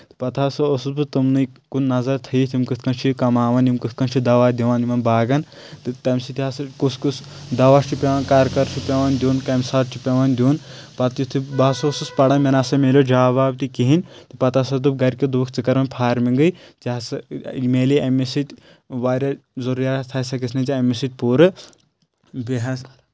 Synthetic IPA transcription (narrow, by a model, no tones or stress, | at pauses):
t̪ɨ̥pɐt̪ʰaːsɐosɨsbɨt̪ɨmnɨkunːɐzɐɾt̪ʰɐjit̪ʰʲimkɨt̪ʰkɐnt͡ʃʰikɐmaːʋɐnimkɨt̪̚ʰkɐnt͡ʃʰid̪ɐʋaːd̪ʲiʋaːnimɐnbaːɡɐn | t̪ɨt̪ɐmʲsit̪iasɐkuskɨsd̪ɐʋaːst͡ʃʰipʲeʋɐːnkaːɾkɐɾt͡ʃʰipʲeʋɐnd̪juːnkɐmʲsaːɾt͡ʃʰipʲɐʋɐnʲd̪ʲjuːn | pɐt̪jut̪ʰibaːsoːsɨspɐɽɐnmenaːsɐmelʲod͡ʒaːbaːbt̪ikiɦinʲt̪ipɐt̪ɐsɐd̪̬ub̚ɡɐɾkʲed̪ukʰt͡sɨkɐɾʋɐnpʰaːɾmiŋɡɨjt͡ʃiɐsmeːliʔɐmisit̪ʲ | ʋaːɾʲɐzɐɾijaːt̪ʰɐːsɐkisnɐt͡ʃiɐmːisit̪̚ʲpuːɾɨ | biɦɐs